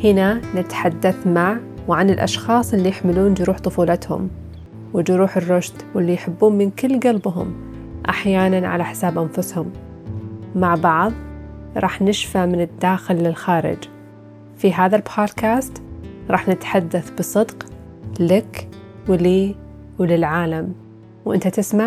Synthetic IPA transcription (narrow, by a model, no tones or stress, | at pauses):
hɪnanɪt̪ħad̪ːaθmaʕwʕanɪlʔɑ̰ʃxɑːsˤʔɪlːijɪħmɪluːnd͡ʒɾuːħt̪ˤʊfuːlɪt̪hʊ̰m | wɪd͡ʒɾuːħɪrːʊʃt̪wɪlːijħɪbːuːnmɪnkɪlːɡalbɦʊ̰m | ʔa̰ħjaːnanʕa̰laħɪ̥saːbʔanfʊshʊm | maʕbɑʕðˤɾˤɑ̰ːħnɪʃfamɪnɪd̪ːaːxɪlːɪlxaːɾɪ̰d͡ʒ | fiɦaːðalbʰaːd̪kaːst̪ɾˤɑːħnɪt̪ħad̪ːaθbɨsˤɨd̪q | lɪk | wliː | wlɪlʕaːlam | wʔɪ̰nt̪at̪ɪsmaʕ